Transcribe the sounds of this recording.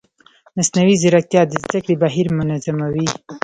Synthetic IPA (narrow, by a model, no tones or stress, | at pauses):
masnawizɪɾak̚t̪jɑd̪əzd̪akɽibaɦiɾmʊnazamawi